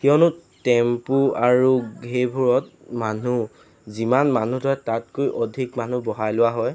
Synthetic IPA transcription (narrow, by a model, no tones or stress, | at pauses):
xiɔnʊtɛmpuaɹuebʱuɹɔtmanu | zimanmanutʰɔɛtat̚kojʔɔdʱikman̤ubɔɦajlʊwaɦɔj